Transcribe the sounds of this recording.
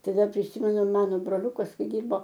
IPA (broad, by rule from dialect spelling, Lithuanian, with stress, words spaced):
ˈtɐɪ ˈdɐr pʲrʲɪˈsʲɪmʲɛnʊ ˈmɑːnoː broːˈlʲʊkɐs ˈkɐɪ ˈdʲɪrboː